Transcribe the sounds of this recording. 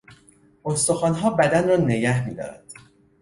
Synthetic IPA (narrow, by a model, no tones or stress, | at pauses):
ʔost̪oxɒːnɦɒːbæd̪ænrɒːne̞ɟæhmiːd̪ɒ̰ːɾæ̰nd̪̥